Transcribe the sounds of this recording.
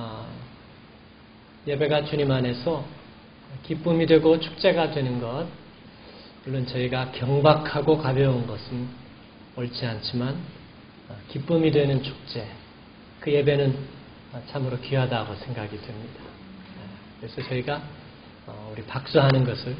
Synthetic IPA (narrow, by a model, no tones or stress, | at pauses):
ʌ | je̞be̞ɡat͡ɕuɲimane̞sʰʌ | kip͈ɯmidwe̞ɡot͡ɕʰu̥k̚t͡ɕ͈e̞ɡadwe̞nɯnɡʌt̚ | muɭːont͡ɕʌiɡakjʌŋbakʰaɡokabjʌunɡʌsʰɯn | ʌɭt͡ɕʰiant͡ɕʰiman | ʌkip͈ɯmidwe̞nɯnt͡ɕʰu̥k̚t͡ɕ͈e̞ | kɯje̞be̞nɯn | ʌt͡ɕʰamɯɾokiɦadaɡosʰe̞ŋɡaɡidwemɲidḁ | kɯɾe̞sʰʌt͡ɕʌiɡa | ʌuɾipak̚s͈uɦanɯnɡʌsʰɯɭ